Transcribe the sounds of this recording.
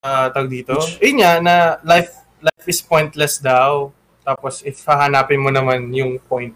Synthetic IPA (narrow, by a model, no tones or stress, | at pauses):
ʔat̪ɐɡ̚d̪iːt̪o̞ʔɐjʊnanɐlajf | lajfʔɪspojnt̪lɛsd̪aw | t̪aːposʔɪfhɐɦɐnaːpɪnmonɐmanjʊŋpojnt̪̚